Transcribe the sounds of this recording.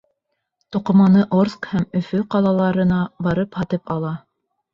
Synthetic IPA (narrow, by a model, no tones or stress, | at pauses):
t̪ŏqŏmɑnɤʔorskhæmɵ̆fɵqɑlˠɑlˠɑɾɤ̆nɑbɑɾɤphɑt̪ɤpɑlˠɑ